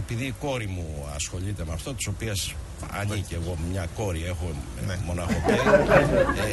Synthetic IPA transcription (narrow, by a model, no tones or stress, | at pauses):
epiðiːko̞ɾimuɐ̰sxo̞ʎit̪e̞mɐft̪o̞t̪i̥so̞pies | ɐ̰ɲiceɣo̞mɲɐko̞ɾie̞xo̞ | mo̞nɐxo̞t̪e